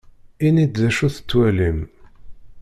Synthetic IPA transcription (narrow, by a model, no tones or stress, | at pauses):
inid̪ðæʃuθə̥t͡sːwælim